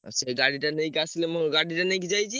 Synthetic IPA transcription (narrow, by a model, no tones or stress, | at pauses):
sʰeɡaɽiʈanəjkaslemoɡaɽiʈanə̃jkd͡ʒajt͡ʃʰi